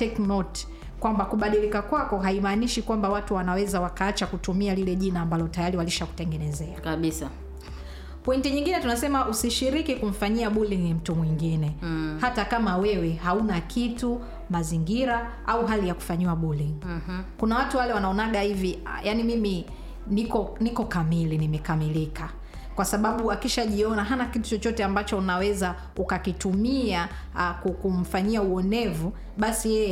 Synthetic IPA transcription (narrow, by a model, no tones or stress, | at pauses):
tɛknɔt | kwambakuɓaɗilikakwakɔɦaimaniʃikwambawatuwanawɛzawakaat͡ʃakutumialilɛʄinaːmbalɔtajaɾiwaliʃaku̥tɛŋɡɛnɛzɛakaɓisa | pɔintiɲiŋɡinɛtunasɛmaʔusiʃiɾikikum̩faɲiaɓuliŋnim̩tumwiŋɡinɛhatakamawɛwɛɦaunakʰitu | maziŋɡiɾa | auɦalijaku̥faɲiwaɓuliŋkunawatuwalɛwanaɔnaɠahiviajanimimi | nikɔnikɔkamilinimɛkamilika | kwasaɓaɓuakiʃaʄiɔnaɦanakitu̥t͡ʃɔt͡ʃɔtɛambat͡ʃɔunawɛza | ukakitumia | kukum̩faɲiauɔnɛvu | ɓasijɛ